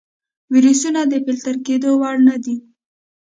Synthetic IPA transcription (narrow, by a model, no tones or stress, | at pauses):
wiɾusunad̪əpɪlt̪aɾked̪owɑɽnad̪i